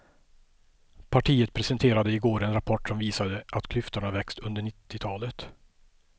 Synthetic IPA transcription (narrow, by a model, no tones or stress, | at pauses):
pʰaʈʰiːət̪̚pʰɾɛsɛnt̪ʰeːɾad̪əɪɡoːɾɛnɾapʰɔʈːsɔmviːsad̪əʔat̪kʰlʏft̪əɳavɛkst̪ɵnd̪əɳɪt̪ːɪt̪ʰɑːlət̪